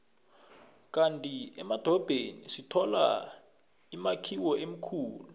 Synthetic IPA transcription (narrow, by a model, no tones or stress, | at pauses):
k̬ʼantʼiɛmad̥ʱɔb̥ʱenḭsitʰɔla̰ | imakʰiwɔʔem̩kʰuːlu